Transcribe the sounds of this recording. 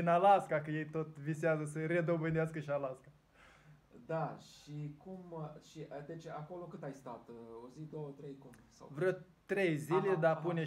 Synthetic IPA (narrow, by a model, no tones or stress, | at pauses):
ɨnalaskakəje̞jt̪o̞t̪viseazəsəre̞d̪o̞bɨnd̪easkəʃialaska | d̪aʃikumʃiʔd̪et͡ʃako̞lo̞kɨt̪ajst̪at̪ozid̪o̞wət̪ɾejkumsa̰vɾə | t̪ɾe̞jziled̪apune̞